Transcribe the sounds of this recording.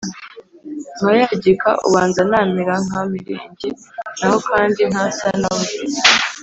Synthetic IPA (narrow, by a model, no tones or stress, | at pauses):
ŋajaɟika̰ʔṵβaːnzanaːmiɾaŋ̥amiɾḭːɲɟinaho̞kʰaːndin̥hasanaβu